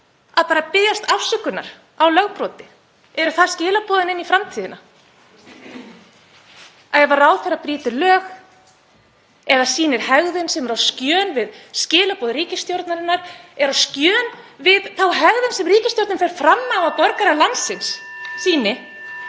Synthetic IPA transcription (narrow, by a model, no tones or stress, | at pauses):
aðpaːɾapɪðjast̪afsʏkʏna̰ɾ̥ | awlœɣpɾɔːt̪ɪ | ɛɾʏθaðscɪːlapɔːðɪnɪnːifɾamt̪ʰiːðɪna | aɛɛvaɾraːwθɛɾapɾiːt̪ɪlœːx | ɛðasiːnɪɾ̥hɛɣðʏnsɛmɛɾawscjœːnvɪðscɪːlapɔːðɪɾiːcɪst̪jowɾt̪naɾɪnːaɾɛɾascœːn | vɪðθawɦɛɣðʏnsɛmriːcɪst̪jowɾt̪nɪnfɛɾ̥fɾamːaːvapɔɾkaɾalant̪sɪnssiːnɪ